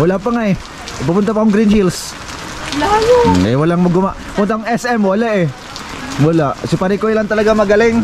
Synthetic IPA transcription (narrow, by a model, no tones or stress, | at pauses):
walapaŋaj | papʊnt̪ap̬aʊŋɡɾɪnhils | ɛ̰jwalaŋmʊɡʊmaʔ | pʊnt̪aʔʊŋɛsʔɛmwalaʔɛ | mulaʔsɪpaɾɪkoilant̪ɐlaɡamɐɡalɪŋ